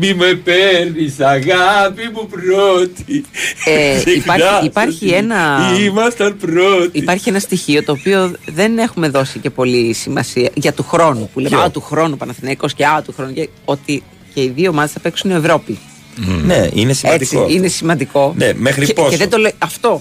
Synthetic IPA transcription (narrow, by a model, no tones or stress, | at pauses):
mimepeɾnisɐɣapimupɾot̪ieeipɐɾɐipɐɾçie̞nɐimɐst̪ɐnpɾot̪iipɐɾçie̞nɐst̪içio̞t̪o̞ːpio̞ðe̞ne̞xume̞ðo̞sice̞po̞lisimɐsiɐʝɐt̪uxɾo̞nupulemɐot̪uxɾo̞nupɐnɐθinɐiko̞sce̞ɐot̪uxɾo̞nuce | o̞t̪i | ce̞iðioomɐðe̞sθɐpeksunie̞vɾo̞pi | nḛḭnesieɐd̪it͡sioine̞simɐnd̪iko̞nḛmexɾiposeðed̪oleɐft̪o̞